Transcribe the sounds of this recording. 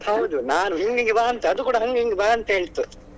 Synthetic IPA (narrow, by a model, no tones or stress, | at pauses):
hɐwd̪unaːnuɦiŋɡiŋɡebaːɐnt̪ɐɐd̪ukuːɽɐɦɐŋɡeiŋɡebaːɐnt̪ɐeɭt̪ːu